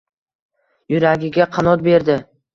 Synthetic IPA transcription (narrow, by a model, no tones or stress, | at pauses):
jʊɾaɡʲɪɡʲaqʰɑnɒt̪̚be̞ɾd̪ɪ